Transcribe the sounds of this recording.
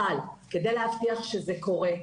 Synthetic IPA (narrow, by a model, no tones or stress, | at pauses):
alke̞d̪e̞jlehaft̪iaχʃezeko̞ʁe